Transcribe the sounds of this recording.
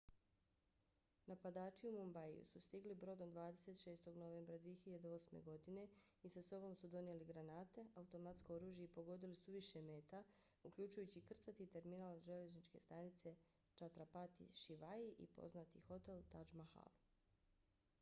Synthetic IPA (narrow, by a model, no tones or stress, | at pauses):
napad̪aːt͡ʃiumombajjṵsust̪iɡlibɾo̞d̪ond̪ʋaːd̪e̞se̞t̪ʃe̞ːst̪o̞ɡno̞ʋe̞ːmbɾad̪ʋije̞çiʎad̪eo̞ːsmḛɡo̞d̪ine̞isaso̞bo̞msud̪o̞njeliɡɾanaːt̪e̞aut̪o̞mat̪skooɾuːʒjeipo̞ɡo̞d̪ilisuʋiʃeme̞ːt̪a | ukʎut͡ʃujut͡ɕikr̩t̪sat̪it̪e̞ɾminaːlʒele̞znit͡ʃke̞̰st̪anit̪se̞ | t͡ʃat̪ɾapat̪ḭʃiʋaiʔḭpo̞̰znat̪ixo̞t̪e̞lt̪ad͡ʒmaha̰lu